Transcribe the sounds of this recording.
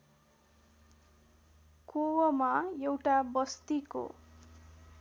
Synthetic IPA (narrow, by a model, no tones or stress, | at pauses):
kowʌmajewʈabʌst̪iko̰